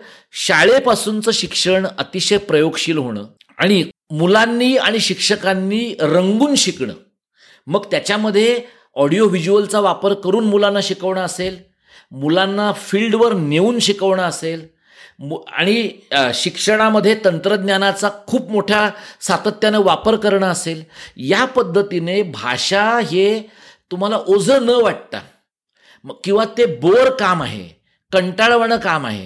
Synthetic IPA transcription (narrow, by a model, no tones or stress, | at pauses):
ɕaɭepasuːnt͡səːɕikʂəɳət̪iɕəjpɾəjoɡɕiːlɦoɽ̃ə̰ː | a̰ɽ̃imulanːiːa̰ɽ̃iɕikʂəkanːiːɾəŋɡuːnɕikɳə̰ː | məɡt̪jat͡ɕaməd̪ʱːje | ɔɽijoʋid͡ʑuəlt͡saʋapəɾkəɾuːnmulanːaɕikəʋɳaəsel | mulanːafiːlɖʋəɾneuːnɕikəʋɳaəsel | mua̰ɽ̃iɕikʂəɽ̃aməd̪ʱːjet̪ənt̪ɾəd̪njanat͡sakʰuːpmoʈʰjasat̪ət̪janeʋapəɾkəɾɳaəseljapəd̪ʱːət̪inebʱa̰ʂaɦe | t̪um̤alaʔod͡zʱənəʋaʈ̚t̪a̰ | məkĩw̃ʋat̪eboɾkama̰ɦḛ | kəɳʈaɭʋəɳəkama̰ɦḛ